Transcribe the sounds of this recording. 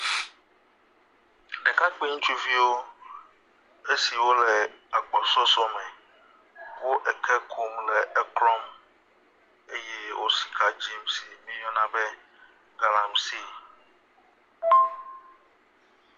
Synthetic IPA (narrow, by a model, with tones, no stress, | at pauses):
ɛ˨ka˦k͡pi˦ŋũ˦t͡ʃu˦vi˦wo˦ | e˦si˨wo˦lɛ˨a˨k͡pɔ˨sɔ˦sɔ˦mɛ˨ | wo˦ʔɛ˨kʰɛ˦kʰu˦mlɛ˨ɛ˨klɔ˦m | e˦jɛ˦wo˦si̥˨kʰa˨d͡ʑi˦msi˨mĩ˦jɔ̃˦nã˦bɛ˦ | ɡa˨lã˨msi˦